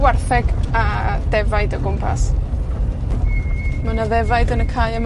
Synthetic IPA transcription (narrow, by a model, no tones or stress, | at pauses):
warθɛɡadɛvajdəɡʊmpʰa̰s | mənaðɛvaɨdənəkʰaːjəm